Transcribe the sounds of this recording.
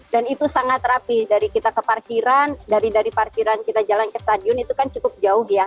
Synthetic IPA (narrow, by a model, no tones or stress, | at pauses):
danit̪usaŋat̪rapidaɾikit̪akəparkiɾandaɾidaɾiparkiɾankit̪ad͡ʒalankəst̪adiɔnit̪ukant͡ʃukʊp̚d͡ʒaʊhja